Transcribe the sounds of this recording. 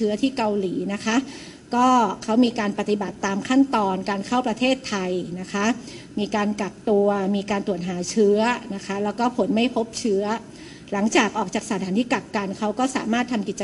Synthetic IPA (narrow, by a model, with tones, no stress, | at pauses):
ɯ˦˥ɐt̪ʰiː˥˩ka˧wliː˩˦na˦˥kʰa˦˥ʔ | kɔː˥˩kʰa˦˥wmiː˧kaː˧npa˧˩t̪i˨˩ba˨˩t̪ːaː˧mkʰa˥˩nt̪ɔː˧nkaː˧nkʰa˥˩wpɾa˧t̪ʰeː˥˩t̪ʰːa˧jna˦˥kʰa˦˥ | miː˧kaː˧nka˨˩p̚t̪u˧ɐmiː˧kaː˧nt̪ɾu˨˩ət̪̚ɦaː˩˦t͡ɕʰɯ˦˥ɐna˦˥kʰa˦˥lɛː˦˥wkɔː˥˩pʰo˩˦nma˥˩jpʰo˦˥p̚t͡ɕʰɯ˦˥ɐ | la˩˦ŋt͡ɕaː˨˩k̚ʔɔː˨˩k̚t͡ɕaː˨˩k̚sa˨˦t̪ʰaː˩˦nt̪ʰiː˥˩kla˨˩p̚ka˧nkʰa˦˥wkɔː˥˩sa̰ː˩˦maː˥˩t̪ʰːa˧mki˨˩t̪t͡ɕː